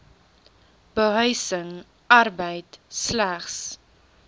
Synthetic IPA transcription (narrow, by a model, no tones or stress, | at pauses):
b̥əɦœɥsəŋ | ɐrbəjtslæχs